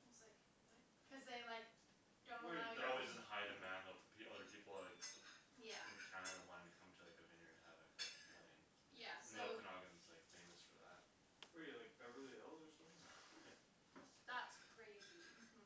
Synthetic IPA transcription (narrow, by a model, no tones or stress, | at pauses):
zlaɪk | laɪʌzðeɪlaɪk̚ | d̥õweɔlˠwizɨ̃haɪɾɨ̃mæ̃nətʰə̥pʰiʌðə˞pʰipl̩ˠakjæ̃kʰãɪ̃ndɨwãɪ̃nɨkʰʌ̃mtʰɨlaɪkɨvɪ̃njə˞ɨæ̰vɨ̰kʰpʰlẽɪ̃ŋ | jæsn̩ðioʊɨ̃nɔɡɨ̃nz̥laɪkfẽɪ̃mɨsfə̰˞ðæ̰t̚ | ɪjlaɪk̚əɹɪlˠiɛlˠzəsʌ̃mθɪ̃ŋ | ðætskʰɹ̥eɪzi